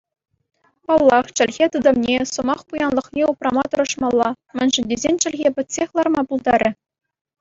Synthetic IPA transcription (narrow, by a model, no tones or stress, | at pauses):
pɑlˠːɑχt͡ɕɘ̆lʲɣʲet̪ɯd̪ɤ̆mnʲesɤ̆mɑχpujɑnlˠɤ̆χnʲeuprɑmɑt̪ɤ̆ɾɤ̆ʂmɑlˠːɑ | mʲɘ̆nʲʐɘ̆nʲdʲezʲenʲt͡ɕɘ̆lʲɣʲepʲɘ̆tʲsʲexʲlˠɑrmɑpulˠd̪ɑɾʲʔɘ̆